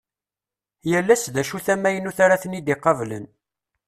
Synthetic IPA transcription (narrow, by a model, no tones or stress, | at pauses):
jəlːæsðæʃuθæmːæjənuθaɾaθənid̪iqːɑvlə̰n